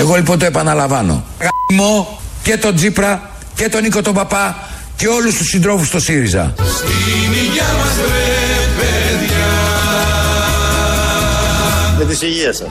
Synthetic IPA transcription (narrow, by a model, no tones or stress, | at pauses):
eɣo̞lipo̞nt̪o̞e̞pɐnɐlɐvɐno̞̰ɣɐmo̞ | ce̞t̪o̞d͡zipɾɐ | ce̞t̪o̞niko̞t̪o̞bɐpɐ | ce̞o̞lust̪usind̪ɾo̞fust̪o̞siɾizɐ̰st̪iniʝɐmɐsepeðʝa | jɐt̪isiʝiɐsɐ